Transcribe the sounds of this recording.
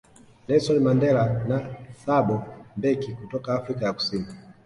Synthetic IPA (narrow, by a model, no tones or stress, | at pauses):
lɛsɔnmandɛlanasaɓɔmbɛkikutɔkaːfɾikajaku̥sini